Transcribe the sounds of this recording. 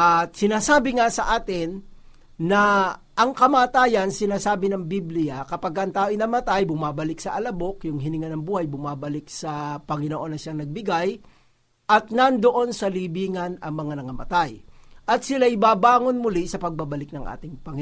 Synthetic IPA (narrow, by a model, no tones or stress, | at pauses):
ʔɐt̪̚sɪnaːsaːbɪŋasɐʔaːt̪ɪnː | ɐ | ʔɐŋkɐmaːt̪aːjɐnsɪnaːsaːbɪnɐŋbiblɪjɐkɐpaɡ̚ɐʔɐŋt̪aːoʔɪnɐmɐt̪ajbʊmaːbɐlɪk̚sɐʔɐlɐbo̞kjʊŋɦɪnɪŋanɐŋbuːhɐjbʊmaːbɐlɪk̚sɐpɐŋɪnoʔo̞nːɐʃjaŋnɐɡ̚bɪɡaj | ʔɐt̪̚nɐnd̪oʔo̞nsɐliːbiːŋɐnɐŋmɐŋanɐŋɐmɐ̰t̪ajʔɐt̪̚sɪlajɪbaːbaːŋo̞nmʊlɪsɐpɐɡ̚babɐlɪk̚nɐŋʔa̰ːt̪ɪŋpɐŋɪ